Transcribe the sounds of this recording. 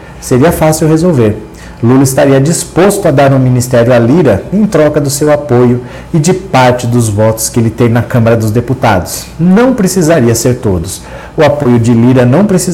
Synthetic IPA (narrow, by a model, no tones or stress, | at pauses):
seɾiɐfasiwɦezowveɾ | lulɐist̪aɾiɐd͡ʒispost̪ʊɐd̪aɾũmĩnist̪ɛɾjʊaliɾɐẽj̃t̪ɾɔkɐd̪ʊsewapojʊ | ɪd͡ʒɪpaɾt͡ʃɪd̪ʊzvɔt̪ʊ̥skɪelɪt̪ẽj̃nɐkɐ̃mɐɾɐd̪ʊzd̪eput̪a̰d̪ʊs | nɐ̃w̃pɾesizaɾiɐseɾt̪od̪ʊs | ʊapojʊd͡ʒɪliɾɐnɐ̃w̃pɾesi